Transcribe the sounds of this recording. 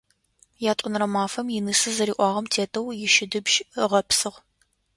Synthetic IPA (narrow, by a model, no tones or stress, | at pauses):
jaːtʷʼʊnɨrɐmaːfɐmjɪnɨsɨzɐɾiːʔʷɑːʁɐmtʰeːtʰʼɐwjɪʃɪdɨbʒʁɐpsɨʁ